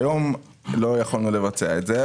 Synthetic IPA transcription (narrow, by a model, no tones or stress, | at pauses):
jom | lo̞jaχalnule̞vat͡seaetze